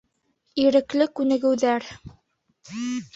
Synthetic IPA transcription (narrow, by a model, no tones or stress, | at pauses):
iɾɘ̆klɘkʉnɘ̆ɡɘ̆wðæɾ